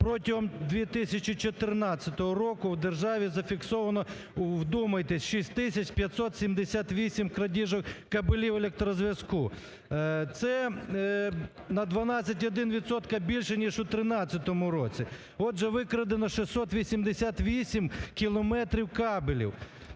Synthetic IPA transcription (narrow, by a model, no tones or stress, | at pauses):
pɾɔtʲɐɦɔmd̪ʋʲit̪ɪsʲɐt͡ʃit͡ʃɔt̪ɪrnɑt͡sʲːɐt̪ɔɦɔɾɔkʊwd̪erʒɑʋʲizɐfʲiksɔʋɐnɔ | wd̪umɐjt̪ɛsʲʃisʲtʲt̪ɪsʲɐt͡ʃpʲjɐt̪ʲsɔt̪sʲimd̪esʲat̪ʋʲisʲimkɾɐdʲiʒɔkkɐbɪlʲiwelʲek̚t̪ɾɔzʲʋʲjɐsku | t̪sɛ | nɐd̪ʋɐnɑt͡sʲɐtʲɔd̪ɪnʋʲit̪sɔt̪kɐbʲilʲʃɛnʲiʒʊt̪ɾɪnɑt͡sʲːɐt̪ɔmʊɾɔt͡sʲi | ɔd̪ʒɛʋɪkɾɐd̪enɔʃɪsɔt̪ʋʲisʲimd̪esʲat̪ʋʲisʲimkʲilˠɔmɛt̪ɾʲiwkɑbelʲḭw